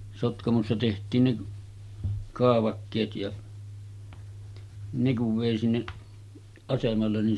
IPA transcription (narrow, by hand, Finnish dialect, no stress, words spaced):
sotkɑmosːɑ tehtˑiːn ne kɑːʋɑkːeːt jɑ ne kuʋ ʋeˑi sinːeʔ ɑsemɑlːen nin